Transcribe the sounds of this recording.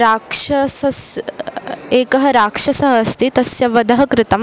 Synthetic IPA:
ɾaːkʂɐsɐs | eːkɐɦɐɾaːkʂɐsɐɦɐst̪ʰit̪ɐsjɐʋɐd̪ɐɦɐkɾɪt̪ɐm

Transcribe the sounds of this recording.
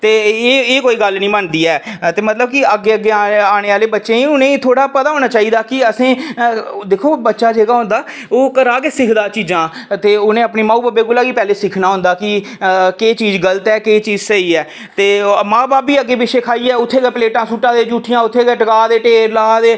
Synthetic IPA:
t̪eːeːeːkoːiːɡəlnĩːmənd̪iːɛːt̪eːmət̪ləb̚kɪəɡːeːəɡːeːaaːɽ̃eːaːleːbətːʃẽːĩːʊnẽːit̪ʰoːɽaːpət̪aːɦoːñaːt͡ʃaːiːd̪aːkɪəsĩː | d̪eːkʰoːbətːʃaːd͡ʒeːɡaːɦʊ̃nd̪aː | oːkəɾaːkeːsɪkʰd̪aːt͡ʃiːd͡ʒãːt̪eːʊnẽːəpneːmãːuːbaːbeːɡʊlaːɡiːpɛːleːsɪkʰnaːɦʊ̃nd̪aːkɪ | keːt͡ʃiːd͡ʒɡələt̪ɛːkeːt͡ʃiːd͡ʒsəiːɛː | t̪eːmãːbaːpːiːəɡːeːbɪʃeːkʰaːiːɛːʊt̪ʰːeːɡɛːpəleːʈãːsuːʈãːd̪eːd͡ʒuːʈʰːɪjãːʊt̪ʰːeːɡɛːʈəkaːd̪eːʈeːɾlaːd̪eː

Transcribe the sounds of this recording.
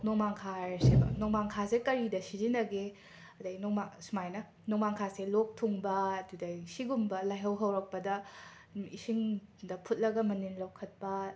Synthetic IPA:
noŋmaŋkʰasebɐ̰noŋmaŋkʰasekɐɾidɐsizinɐɡe | ɐdɐɡnoŋmasumajnɐ | noŋmaŋkʰaselok̚tʰuŋbɐːdudɐsiɡumbɐlajɦɐwɦɐwɾɐk̚pɐdɐ | isiŋdɐpʰut̚lɐɡɐmɐninlɐwkʰɐt̚pɐ

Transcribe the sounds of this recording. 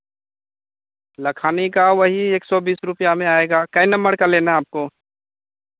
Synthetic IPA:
lɐkʰaːnikaʋɐɦieːksɔbiːsɾʊpjamẽaːeːɡaːkɐinɐ̃mbəɽkaleːnaaːp̚koː

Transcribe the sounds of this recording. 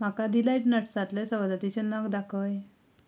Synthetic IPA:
m̤akad̪ilajʈnəʈsat̪lẽsəʋd̪ət̪it͡ɕenakd̪akʰəʋje

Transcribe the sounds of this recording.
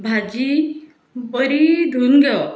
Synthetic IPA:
bʱad͡ʒi | bɔɾid̪ʱunɡɛɔ

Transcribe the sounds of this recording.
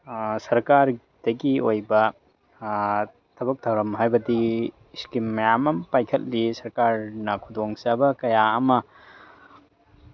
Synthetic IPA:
sɐɾkaɾ | d̥ɐɡiojbɐ | tʰɐbɐk̚tʰawɾɐmɦajbɐdi | skimːɐjamɐmpajkʰɐt̚lisɐɾkaɾnɐkʰudoŋsabɐkɐjaɐmɐ

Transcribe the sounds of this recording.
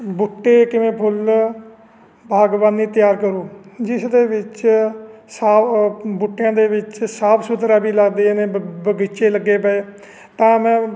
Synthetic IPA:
bʊʈːeːkɪʋẽːpʰʊl | bʱaːɡʋaːniːt̪ɪjaːɾkəɾũːd͡ʒɪsd̪eːʋɪt͡ʃ | saːbʊʈːjãːd̪eːʋɪt͡ʃsaːpʰsʊt̪ɾaːbiːlaːɡd̪eːneːbəɡɪt͡ʃeːləɡːeːpəeː | t̪ãːmɛ̃ː

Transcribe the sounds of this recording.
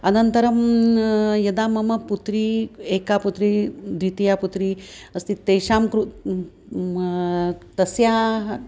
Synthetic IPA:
ɐnɐnt̪ɐɾɐm | jɐd̪aːmɐmɐput̪ɾieːkaːput̪ɾid̪ɾit̪ijaːput̪ɾiɐst̪ʰit̪ɐjʃaːmkɾu | t̪ɐsjaːɦɐ

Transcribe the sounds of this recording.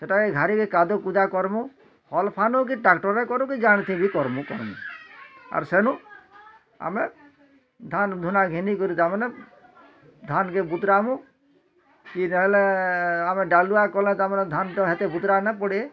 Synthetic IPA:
seʈakeɡʱaɾikekad̪ɔkud̪akɔɾmũ | hɔlpʰanuk̬iʈakʈɔɾekɔɾũkid͡ʒaɽ̃it̪ʰibikɔɾmũkɔ̰ɾ̰nḭ | a̰ɾsenũ | a̰me | d̪ʱand̪ʱunaɡʱinikɔɾit̪amɔne | d̪ʱankebut̪ɾamũ | kinɦɛleameɖaluakɔlɛ̃t̪amɔned̪ʱanʈɔɦet̪ebut̪ɾanɛpɔɽie

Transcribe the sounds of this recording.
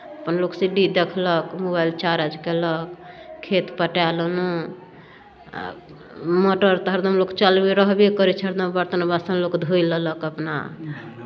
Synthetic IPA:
əpənloksiɖid̪ekʰləkmobajlt͡ʃaɾəd͡ʒkeləkkʰːet̪pəʈalənu | moʈəɾt̪ɦəɾd̪əmlokt͡ʃəlbiɾəɦbikəɾit͡ʃʰəɾd̪əmbəɾt̪ənbasənlokd̪ʱojlələkəpna̰

